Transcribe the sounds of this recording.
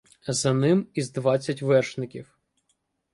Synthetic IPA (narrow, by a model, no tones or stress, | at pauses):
zɐnɪmizd̪ʋɑt͡sʲːɐtʲʋɛrʃnɪkʲiw